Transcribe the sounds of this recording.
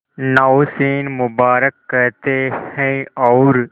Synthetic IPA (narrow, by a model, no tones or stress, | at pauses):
nawsiːnmʊbaːɾəkːəɾt̪ehɛ̃ɔːɾ